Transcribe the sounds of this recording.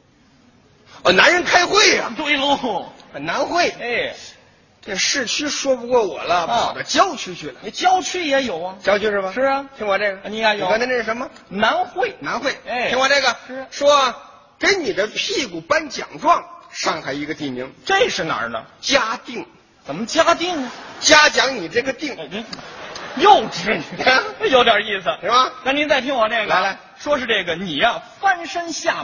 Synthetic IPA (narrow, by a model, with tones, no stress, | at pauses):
ɔ˧˩na˧˥nɻə˧˥nkʰa˥ɪxwe˥˩ɪɐ̰˩t̪we˥lu˥˩ə˨˩na˧˥nxwe˥˩ɪ˧ | ʈ͡ʂʂɻ̩˥˩t͡ɕʰy˥ʂwɔ˥pu˧kwɔ˥˩wɔ̰˨˩lə˦pʰɑ˧˨˩ʊd̪ə˦t͡ɕjɑ˥ʊt͡ɕʰy˥t͡ɕʰy˥˩lə̰˩˧t͡ɕjɑ˥ʊt͡ɕʰy˥jɛ˧˥jo˨˩ʊɐ˧t͡ɕjɑ˥ʊt͡ɕʰy˥ʂɻ̩˥˩bɐ˧ʂɻ̩˥˧t̪ʰi˥ŋwa˨˩nʈ͡ʂe˥˩ɡə˩ni˧a˧˩jt̪ʰʈ͡ʂɻ̩˥ʂmə˧ | na˧˥nxwe˥˩ɪna˧˥nxwe˥˩ɪ˥˩i˥ŋwnʈ͡ʂe˥˩ɡə˨˩˥ʂwɔ˥˧ | kə˥nni˨˩d̪ə˦pʰi˥˧ku˨˩pa˥nt͡ɕjɑ̰˨˩ŋʈ͡ʂwɑ˥˩ŋʂɑ˥˧˩ŋxa˧˩ɪi˧˥ɡə˧t̪i˥˩mi˧˥ŋʈ͡ʂe˥˧ʂɻ̩˥˩na̰˨˧˥nə̰˧t͡ɕja˥t̪i˥˩ŋ | t͡sə˨˩nmə˦t͡ɕja˥t̪i˥˩ŋnə˩t͡ɕja˥t͡ɕjɑ˧˥ŋni˨˩ʈ͡ʂɤ˥˩ɡə˩t̪i˥˩ŋ˧˥ | jo˥˩ʊʈ͡ʂɻ̩˧˥ni˨˩˥jo˧˥ʊt̪jə˞˨˩i˥˩s̩ʰ˩i˧˥mɐ˧na˥˩ni˧˥nt͡sa˥˧ɪt̪ʰi˥ŋwɔ˨˩ʈ͡ʂe˥˩ɡə˧˩˧ | ʂwɔ˥ʂɻ̩˥˧ʈ͡ʂɤ˥˩ɡə˩ni˨˩jɐ˧fa˥nʂə˥ŋɕja˥˩